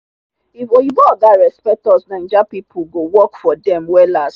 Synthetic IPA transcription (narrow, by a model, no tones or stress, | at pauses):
ifoivɔdaɹɛspɛk̚tɔsnãd͡ʒapipʰuɡowɔkfɔdɛ̃mwɛlas